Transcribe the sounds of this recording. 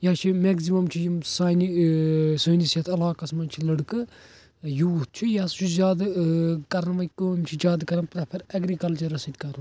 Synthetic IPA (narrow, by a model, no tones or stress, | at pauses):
jaːt͡ʃʰimeɡzimɐmt͡ʃʰijimsaːjnisɐːnisjɐt̪ʰɐlaːkɐsmɐnt͡ʃʰilɐɽkɨ | juut̪̚t͡ʃʰujaːst͡ʃʰuzʲaːd̪kɐɾnʋɐkomt͡ʃʰid͡ʒaːd̪kɐɾɐnpɾɐpʰɐɾɐɡɾiːkɐld͡ʒɐɾɐsid̪kɐɾ